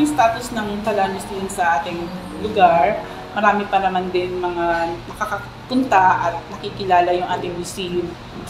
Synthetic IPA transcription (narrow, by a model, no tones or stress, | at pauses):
ʊŋst̪aːt̪osnɐŋkɐlaːnɪsd̪ɪnsɐʔaːt̪ɪŋ | lʊɡaɹ | mɐɾaːmɪpɐnɐmand̪ɪnmɐŋanɐkakɐ | pʊnt̪aʔɐt̪̚nɐkikɪlaːlɐjʊŋʔaːt̪ɪŋmɪsijʊl